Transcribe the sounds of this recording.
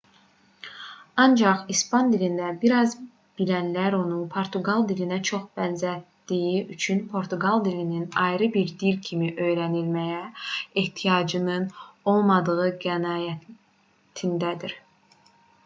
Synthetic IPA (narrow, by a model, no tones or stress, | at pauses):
ɑnd͡ʒɑχispɑnd̪ilind̪æbiɾɑz | b̥ilænlæɾo̞nunpʰo̞ɾt̪ʰuɡɑlˠd̪ilinæt͡ʃʰo̞χb̥ænzæt̪ː | ijiyt͡ʃʰynpʰo̞ɾt̪ʰuɡɑlˠd̪ilininɑjɾɯbiɾd̪ilcʰimiʔø̞jɾænilmæjæeht̪ʰijɑd͡ʒɯnɯno̞lˠmɑd̪ɯʁɯɡænɑːjæ | t̪ʰind̪æd̪iɾ